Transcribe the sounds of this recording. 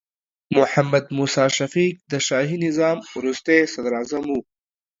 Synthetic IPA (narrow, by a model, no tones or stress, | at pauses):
mʊħamːɐd̪muːsɑːʃɐfik̚d̪əʃaːɦinɪzɑːmɾust̪esɐd̪ɾaːzɐmu